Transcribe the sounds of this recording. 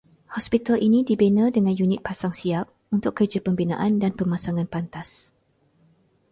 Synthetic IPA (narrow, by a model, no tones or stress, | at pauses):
hɔspit̪alʔinĩdibenədəŋãnjunɪt̪̚pasaŋsiap̚ | unt̪ʊkːərd͡ʒapəmbinã̰ʔandanpəmasaŋãnpant̪as